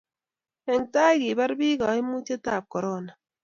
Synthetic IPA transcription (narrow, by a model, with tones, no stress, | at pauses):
ɛ˨ŋta˦jɡi˨ba˦ɾbi˦ɡɔ˨i˦mu˦t͡ʃe˦ta˦˨p̚kɔ˨ɾɔ˦˨na˨